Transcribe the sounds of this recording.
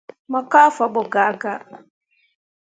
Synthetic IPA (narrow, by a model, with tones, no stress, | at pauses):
mɔ˨ka˦fɔ˨bʊ˨ɡa˨˦ɡa˦